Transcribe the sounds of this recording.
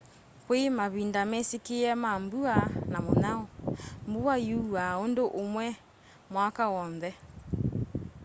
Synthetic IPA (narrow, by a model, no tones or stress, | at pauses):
kwemaβindamɛsekeɛmambuanamonaɔmbuajuaondoʔomwɛ | mwakawɔnðɛ